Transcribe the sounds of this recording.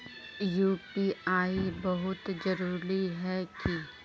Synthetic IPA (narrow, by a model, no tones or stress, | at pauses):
juːpiaːibɐɦʊt̪d͡ʒɐɾuːɾiɦɛki